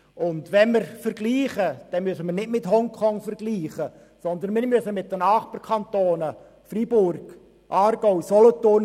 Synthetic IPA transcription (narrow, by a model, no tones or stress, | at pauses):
ʊndʋɛnməɾfəɾɡliːχəd̥ɛmyəsəmərnɪdmɪthɔŋkʰɔŋfəɾɡliːχə | sɔnd̪ənmɪɾmyəsəmɪt̚dənɑːχpəɾkʰɑnt̪oːnə | fribʊrɡ̥ | ʔɑːɾɡ̥ɔʊsɔlɔt̪ʊrn